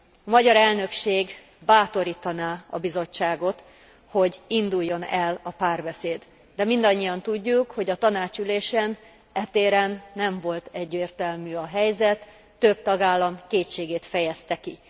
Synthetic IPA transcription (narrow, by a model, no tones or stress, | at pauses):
ɒmɒɟɒɾɛlnø̞kʃeːɡ | baːt̪o̞ɾiːt̪ɒnaːɒ̰bizo̞t͡ʃːaːɡo̞t̪ | ho̞ɟind̪ujːo̞nɛlɒpaːrbɛseːd̪ | d̪ɛmind̪ɒɲːijɒnt̪uɟːukho̞ɟɒt̪ɒnaːt͡ʃyleːʃɛn | ɛt̪eːɾɛnːɛɱvo̞lt̪ɛɟːeːrt̪ɛlmyːɒɦɛjzɛt̪ː | øb̚t̪ɒɡaːlːɒmkeːt͡ʃːeːɡeːt̪fɛjɛst̪ɛki